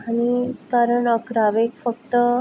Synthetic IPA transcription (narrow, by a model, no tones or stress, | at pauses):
aɽ̃ikaɾəɳəkɾaʋekfək̚t̪ə